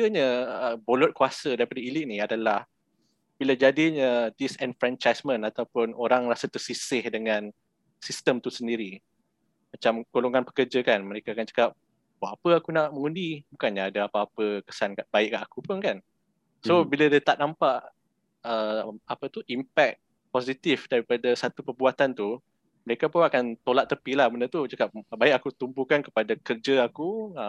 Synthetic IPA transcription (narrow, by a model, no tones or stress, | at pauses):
əɲəəbolɔt̪̚kuasədaɾipadəilɪʔ̚niadalah | b̥iləd͡ʒadiɲədisɛnfɾɛnt͡ʃajsmə̃nat̪awpʊnoɾaŋrasət̪ərsisɪhdəŋãn | sist̪əmt̪usəndiɾi | mat͡ʃamɡ̥oloŋanpə̥kərd͡ʒakanməɾekaakant͡ʃə̥kap̚ | waʔapəakunaʔməŋundibukanɲaadaapaːpəkə̥sankaʔbaɪʔkaʔakupʊnkan | sobilədat̪aʔnampaʔ | əmapət̪uʔimpɛk̪̚ | posit̪ifdaɾipadasat̪upərbuat̪ant̪u | məɾekapuakant̪olaʔt̪əpilahbəndət̪ut͡ʃəkap̚baɪk̚akut̪umbukankə̥padakərd͡ʒəakuə